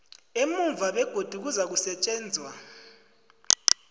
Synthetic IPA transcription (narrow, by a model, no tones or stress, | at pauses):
emuɱvʱaɓɛɡ̥ʱod̥ʱuk̬uzak̬usɛt͡ʃʼɛːnd͡zʱwa